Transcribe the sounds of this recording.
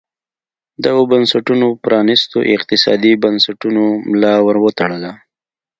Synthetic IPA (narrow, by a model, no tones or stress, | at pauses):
d̪aɣobənsaʈunopɾɑnist̪o̰ʔɪqt̪ɪsɑ̰d̪ibansaʈunomlɑwəɾwət̪aɽala